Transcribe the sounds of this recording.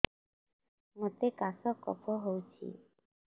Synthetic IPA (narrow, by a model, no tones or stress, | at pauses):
ŋɔt̪ekːasɔkːɔ̰kpʰɔɦowt͡sʰḭː